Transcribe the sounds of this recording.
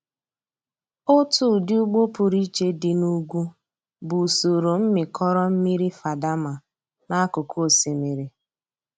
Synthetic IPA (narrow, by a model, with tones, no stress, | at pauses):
ʊ˦tu˦˨dɪ˦u˦ɡ͡bo˦pʊ˨ɾi˦t͡ʃe˦dɪ˨nu˦ɡʷu˦ | bʊ˨so˨ɾo˨m̩˦mɪ˨kʰɔ˦ɾɔ˦m̩˦mi˦ɾi˦fa˨da˦ma˨ | na˦kʊ˨kʰo˦˨si˨mi˨ɾi˨